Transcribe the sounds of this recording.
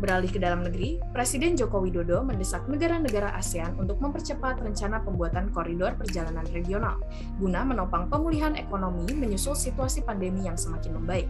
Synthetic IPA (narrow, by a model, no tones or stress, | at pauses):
bəɾalɪhkədalamnəɡɾipɾesidɛnd͡ʒokowidodoməndəsak̚nəɡaɾanəɡaɾaʔa̰sianunt̪ʊk̚məmpərt͡ʃəpat̪rəɲt͡ʃanapəmbuat̪ankoɾidɔrpərd͡ʒalananreɡiona̰l | ɡunamənopaŋpəmuliɦanekonomiməɲusʊlsit̪uasipandemijaŋsəmakɪnməmbaɪk̚